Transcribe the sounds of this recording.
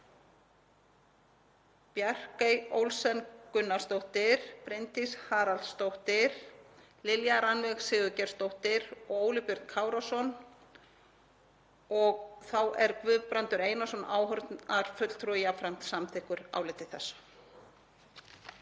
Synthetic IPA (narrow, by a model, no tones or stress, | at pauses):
pjar̥kejo̰wlsɛnkʏnːḁst̪owht̪ɪɾ̥pɾɪnt̪ishaːɾalst̪owht̪ɪɾ̥ | lɪljaɾanvɛɣsɪːɣʏcɛɾ̥st̪owht̪ɪɾɔɣoːwlɪpjʏɾt̪kʰaːwɾasɔn | ɔɣθawɛɾkvʏðpɾant̪ʏɾeːjnasɔnaːwɦʏɾt̪naɾ̥fʏt̪l̥t̪ʰɾujafɾam̥t̪samt̪ʰɪhkʏɾa̰ːwlɪt̪ɪ̥θɛsːḁ